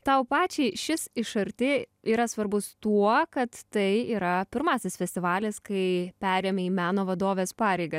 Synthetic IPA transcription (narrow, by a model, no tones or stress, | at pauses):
t̪ɐʊpɑːt͡ʃʲɛɪʃʲɪsɪʃɐɾʲt̪ʲɪiːɾɐsʋɐɾbʊst̪uɔkɐt̪tɐɪiːɾɐpʲɪɾmɑːsʲɪsfʲɛsʲt̪ʲɪʋɑːlʲɪskɐɪpʲæːɾʲeːmʲɪiːmʲæːnoːʋɐd̪oːʋʲeːspɑːɾʲɛɪɡɐ